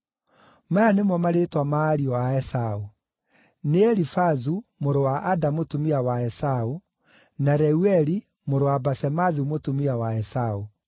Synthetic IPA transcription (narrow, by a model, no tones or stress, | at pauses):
majanemwɔmaɾetwamaːɾiɔaɛsao | neɛɾifazumoɾowaʔadamotumiawaɛsao | naɾɛuɛɾi | moɾowabasɛmaðumotumiawaɛsao